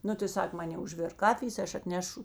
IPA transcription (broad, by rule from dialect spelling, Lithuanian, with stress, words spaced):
ˈnʊ tɐɪ ˈsɐk ˈmɑːnʲeː ʊʒʲˈʋʲeːrk ˈkɑːfʲɪjeːs tɐɪ ˈɐʃ ɐtʲˈnʲæːʃʊ